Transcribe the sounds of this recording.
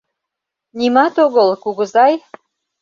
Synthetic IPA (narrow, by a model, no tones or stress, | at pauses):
nimɑt̪oɣəlkuɣə̆zɑj